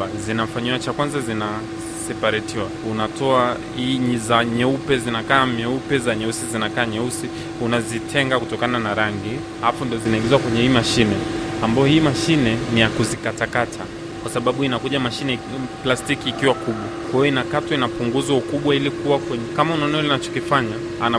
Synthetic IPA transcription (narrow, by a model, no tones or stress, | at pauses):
azinafaɲiwat͡ʃakwanzazina | sɛpaɾɛtiwaunatɔa | hizaɲɛupɛzinakaːmɛupɛzaɲɛusizinakaːɲɛusi | unazitʰɛŋɡakutɔkananaɾaŋɡi | afundiɔzinaiɡizwakwɛɲɛhiːmaʃinɛambaɔhiːmaʃinɛnijakuzikatakatʰa | kwasaɓaɓuinakuʄamaʃinɛplastikiːkiwakuɓwakwahijɔinakatwainapuŋɡuzwaukuɓwailikuwakwɛɲkamaunaɔnalinat͡ʃɔ̥kifaɲa | ana